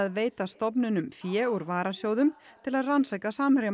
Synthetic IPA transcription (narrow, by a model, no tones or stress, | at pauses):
aðveːjt̪ast̪ɔp̬nʏnʏmfjɛːuɾvaːɾasjoːwðʏmt̪ʰɪlaðransajkasaːmɾj